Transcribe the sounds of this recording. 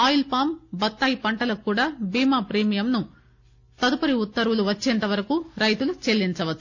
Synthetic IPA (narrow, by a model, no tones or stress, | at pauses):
aːjilpaːmbɐt̪ːaːjipɐɳʈɐlɐkːuːɽaːbiːmaːpɾeːmijɐmnu | t̪ɐd̪upɐɾiut̪ːɐɾuluʋɐt͡ʃːɛːnt̪ɐʋɐɾɐkuːɾɐjt̪ulut͡ʃelːint͡ʃɐʋɐt̪ːu̥